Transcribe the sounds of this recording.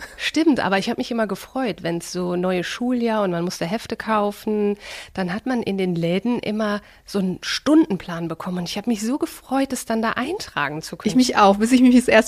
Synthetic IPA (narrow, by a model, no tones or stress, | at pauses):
ʃtɪmtʔa̰ːbɐɪçhaːbəmɪçʔɪmɐɡəfʁ̥ɔʏtvɛnsz̥oːnɔʏəʃuːljaːɐʊntmanmʊstəɦɛftəkʰaʊfn̩d̥anɦatmanʔɪ̰ndeːnlɛːdn̩ʔɪ̰mɐ | z̥oːnʃtʊndn̩pʰl̥aːnbəkʰɔmənʊntɪçhaːbəmɪçz̥oːɡəfʁ̥ɔʏt̚dɛsd̥andaːʔaɪntʁ̥a̰ːɡŋ̩t͡sukʰmɪçaʊxb̥ɪs̬ɪçmɪçɛsʔeːɐs